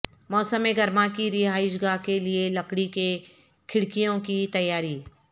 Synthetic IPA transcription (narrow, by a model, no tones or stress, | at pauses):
mɔːsəmeɡɐɾmakiɾɪɦaːɪʃɡaːkelielɐkɽike | kʰɪɽkijõkit̪ɐjːaːɾiː